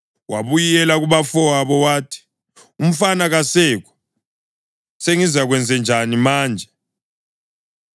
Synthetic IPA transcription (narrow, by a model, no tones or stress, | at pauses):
waβujɛlaɣuβafɔwaβɔwaːtʰi̥ | um̩fanaɣasɛːk̬ɔ̥ | seŋizaɣ̬wɛnd͡zʱɛnd͡ʒʱanimaːnd͡ʒʱɛ